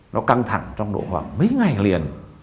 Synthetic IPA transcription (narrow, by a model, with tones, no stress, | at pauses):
nɔ˨˦ka˧ŋt̪ʰa̰˧˩ŋt͡ɕɔ˧wŋ͡mɗo̰˧˩˦hwaː˨˩k̚mə˨˦jŋa˨˩jli˨˩ən